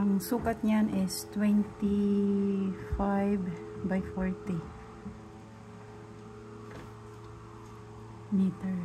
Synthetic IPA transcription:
ʔɐŋsuːkɐt̪̚ɲanʔɪst̪wɛnt̪i | fajvbajfɔɹt̪i | nit̪ɛɹ

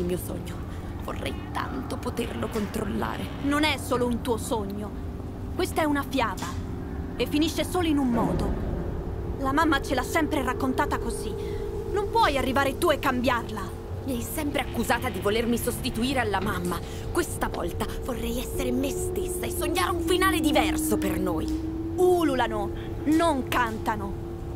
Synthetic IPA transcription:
ilmiːoso̰ɲːo | vo̰rːɛ̰jt̪a̰nt̪opot̪ḛrlokont̪ɾolːa̰ːɾe | nonɛsoːlount̪uːosoɲːo | kwest̪aɛunafjaːva | efːiniʃːesoːloinumːɔːd̪o | lamamːat͡ʃelasːɛmpɾeɾakːont̪aːt̪akozi | nompwɔjarːivaːɾet̪uekːambjarla | miɛjsɛmpɾeakːuzaːt̪ad̪ivolermisost̪it̪uiːɾealːamamːa | kwest̪avɔ̰lt̪avorːɛjɛsːeɾemest̪esːaesːoɲːaːɾuɱfinaːled̪ivɛrsopernoːj | ululano | noŋkant̪ano

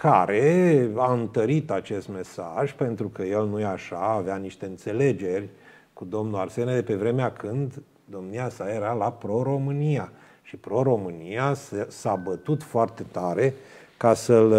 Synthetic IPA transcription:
kaɾe̞aɨnt̪əɾit̪at͡ʃe̞st̪me̞sa̰ʒpe̞nt̪ɾukəje̞lnujeaʃaːveaniʃt̪e̞ɨnt̪se̞le̞d͡ʒe̞rʲ | kud̪o̞mnuarse̞ned̪e̞pe̞vɾe̞meakʰɨnd̪ː | o̞mniasaje̞ɾalapɾo̞ɾo̞mɨnija | ʃipɾo̞ɾo̞mɨnijasabət̪ut̪foart̪e̞t̪aɾe̞ | kasəl

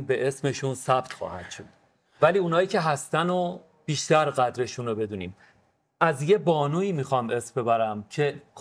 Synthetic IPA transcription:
be̞ʔe̞sme̞ʃunsæb̥t̪xɒ̰ːhæd̪̥ʃod̪̥̚ | væliːuːnɒːjiːcʰe̞ɦæst̪æno | b̥iːʃt̪æɾɢæd̪ɾe̞ʃuːnobe̞d̪uːniːm | ʔæzje̞bɒːnuːiːmixɒːme̞smbe̞bæɾæmt͡ʃʰe

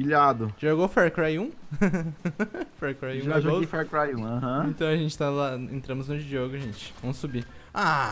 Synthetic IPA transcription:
iʎad̪ʊʒoɡofɛɾkɾajũ | fɛɾkɾajũʒaʒoɡoefɛɾkɾajũaɦɐ̃ẽt̪ɐ̃w̃ɐʒẽnt͡ʃɪ̥t̪alaḛ̃nt̪ɾɐ̃mʊznʊd͡ʒioɡʊʒẽnt͡ʃɪ̥vɐ̃mʊsubia

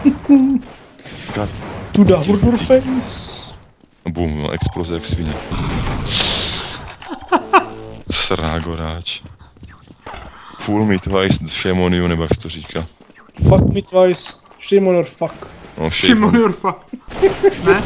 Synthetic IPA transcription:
ɡat̪ud̪aɦuɾd̪uɾfɛjns | bumo̰ʔɛ̰ksplozɛaksviɲɛ | sɾaːɡoɾaːt͡ʃ | fulmit̪vajsʃɛmoniunɛbojaksɛ̥t̪oɾiːkʰa | fakmit̪vajs | ʃɛmonoɾfakoːʃɛmonɔɾfak | nɛ

